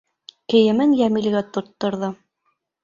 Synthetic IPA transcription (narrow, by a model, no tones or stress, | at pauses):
kɘ̆jɘ̆mɘnjæmilɡæt̪ŏt̪ːŏɾðɤ